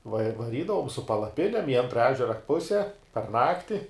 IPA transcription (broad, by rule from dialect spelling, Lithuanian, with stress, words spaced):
ʋɐ ʋɐˈrʲiːdɐʋoːm sʊ pɐlˠɐˈpʲɪnʲɛm ɪ ˈɐntrɐ ˈæːʒʲɛrɐ ˈpʊsʲɛ pɐr ˈnɑːktʲɪ